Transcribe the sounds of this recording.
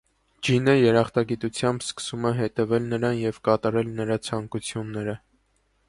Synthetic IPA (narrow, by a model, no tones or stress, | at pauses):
d͡ʒinəjɛɾɑχt̪ɑɡit̪ut͡sʰjɑmbskə̥sumɛɦɛt̪ɛvɛlnəɾɑnjɛvkɑt̪ɑɾɛlnəɾɑt͡sʰɑŋkut͡sʰjunːɛɾə